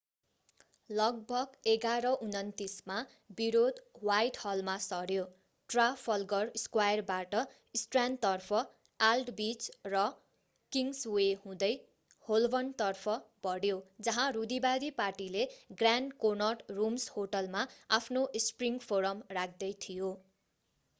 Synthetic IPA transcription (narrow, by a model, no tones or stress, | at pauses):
lʌɡ̚bʱʌɡeɡaɾʌʔunʌnt̪isma | biɾod̪wajʈhʌlmasʌɾjo | ʈrapʰʌlɡʌrskwajʌrbaʈʌ | isʈrant̪ʌrpʰʌ | alɖbit͡srʌ | kiŋswehũd̪ʌj | holbʌnt̪ʌrpʰʌb̥ʌɽjod͡zʌɦãrud̪ibad̪iparʈileɡranɖkonʌʈrumshoʈʌlmaapʰnoʔspriŋpʰoɾʌmrak̚ʰd̪ʌjt̪ʰijo